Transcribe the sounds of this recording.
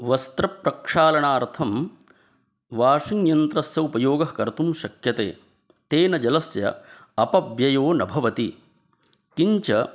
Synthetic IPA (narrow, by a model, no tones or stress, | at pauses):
ʋɐst̪ɾɐpɾɐkʂaːlɐɳaːɾt̪ʰɐm | ʋaːʂiŋjɐnt̪ɾɐsjɐupɐjoːɡɐɦkɐɾt̪umʃɐkjɐt̪ḛː | t̪eːnɐd͡ʒɐlɐsjɐ̰ | ɐpɐbjɐjoːnɐbʱɐʋɐt̪i | kiɲt͡ʃɐ